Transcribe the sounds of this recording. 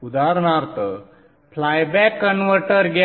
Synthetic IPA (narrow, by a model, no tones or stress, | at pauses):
ud̪aɾɳ̃aɾt̪ə | flajbɛkːənʋəɾʈəɾɡ